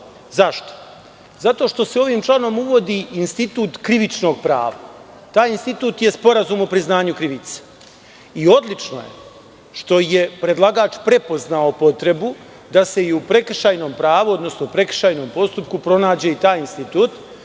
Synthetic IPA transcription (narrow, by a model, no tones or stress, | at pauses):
zaʃt̪o̥ | zat̪o̞ːʃt̪o̞seo̞ʋiːmt͡ʃlˠano̞muʋo̞d̪iːinst̪it̪uːt̪kɾiʋit͡ʃno̞ːɡ̚pɾa̰ːʋa | t̪aːjinst̪it̪uːt̪je̞spo̞ɾazuːmopɾiznaːɲukɾiʋit̪se̥ | io̞d̪lit͡ʃno̰jḛ | ʃt̪o̞je̞pɾe̞d̪lˠaɡaːt͡ʃpɾe̞po̞znao̞po̞t̪ɾe̞bu | d̪ase̞iupɾe̞k̩ʃaːjno̞ːmpɾaːʋuod̪no̞snopɾe̞kr̥̩ʃaːjno̞ːmpo̞st̪up̚kupɾo̞naːd͡ʑe̞it̪aːjinst̪it̪uːt̪